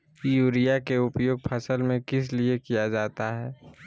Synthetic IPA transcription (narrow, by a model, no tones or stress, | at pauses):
juːɾijakeʊpjoːɡ̚pʰɐsəlmẽkɪsliekijad͡ʒaːt̪aɦɛː